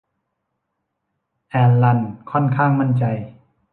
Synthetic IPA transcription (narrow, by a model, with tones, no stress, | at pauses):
ʔɛː˧nla˧˩nkʰɔ˥˩nkʰaː˥˩ŋma˥˩nt͡ɕa˧j